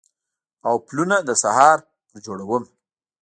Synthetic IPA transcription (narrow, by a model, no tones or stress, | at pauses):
awplunad̪əsahɑɾ | t̪əɾd͡ʒoɽawəm